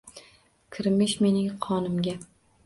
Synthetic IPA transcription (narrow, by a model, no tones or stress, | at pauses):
kʲʰɪɾmɪʃme̞nɪŋqʰɒnɪmɡʲa